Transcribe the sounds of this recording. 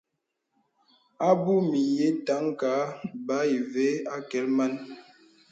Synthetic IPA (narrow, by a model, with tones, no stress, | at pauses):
a˦bu˦mi˨je˦ta˨˦ŋka˨˦ba˨˦i˨ve˦a˦kɛ˨˦lma˦n